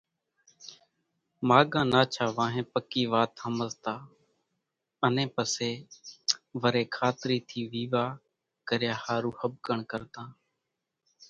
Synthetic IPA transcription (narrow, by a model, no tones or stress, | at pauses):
maːɠãːnaːt͡ʃʰaːʋãːɦẽːpəkiːʋaːt̪həməzt̪aː | ənẽːpəseː | ʋəɾeːkʰaːt̪ɾiːt̪ʰiːʋiːʋaː | kəɾjaːhaːɾuːhəb̚kəɳkəɾt̪ãː